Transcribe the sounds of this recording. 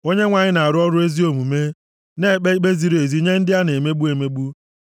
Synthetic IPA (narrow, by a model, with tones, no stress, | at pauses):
o˦ɲe˦ŋʷa˨ɲɪ˦na˨a˨ɾʊ˦ɔ˦ɾʊ˦e˦zi˦o˨mu˨me˦ | ne˦˨k͡pe˦k͡pe˦zi˨˦ɾe˨zi˦ɲe˦n̩˦dɪ˦a˦ne˨me˦ɡ͡bu˦e˨me˦ɡ͡bu˦